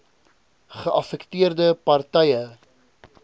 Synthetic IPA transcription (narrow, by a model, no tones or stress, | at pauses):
χəʔɐfɛktiərdəpɐrtɛjə